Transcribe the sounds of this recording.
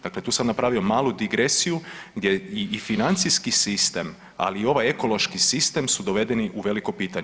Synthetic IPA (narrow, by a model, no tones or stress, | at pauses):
d̪̥aːkle̞t̪uːsamnapɾaːʋio̞maːlˠud̪iɡɾesijuɡd̪ʲjeiːfinant̪siskisist̪e̞m | a̰liːo̞ʋaje̞ko̞lˠo̞ʃkisist̪e̞msud̪o̞ʋe̞d̪eniʔuʋe̞liko̞piːt̪aɲ